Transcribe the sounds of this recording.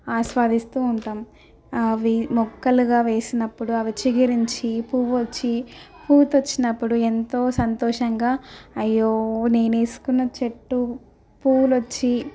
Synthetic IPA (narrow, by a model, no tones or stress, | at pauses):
aːʃʋaːd̪ist̪uːuɳʈaːm | ʋimɔkːɐluɡaːʋe̞ːsinɐpːuɽuɐʋit͡ʃiɡiɾiɲt͡ʃipuːʋot͡ʃːipuːt̪ot͡ʃːinɐpːuɽue̞nt̪o̞ːsɐnt̪ɔːʂɐŋɡaːɐjːoːne̞ːne̞ːsu̥kunːɐt͡ʃeʈːu | puːlot͡ʃːi